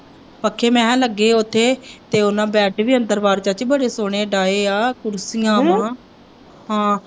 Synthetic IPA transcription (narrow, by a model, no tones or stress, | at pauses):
pəkʰːeːmɛ̃ːləɡːeːʊt̪ʰːeːt̪eːʊnãːbɛːʈʋiːənd̪əɾʋaːɾt͡ʃaːt͡ʃbəɽeːsoːɽ̃eːɖaːeːaːkʊɾsiːãːʋãː | ɦãː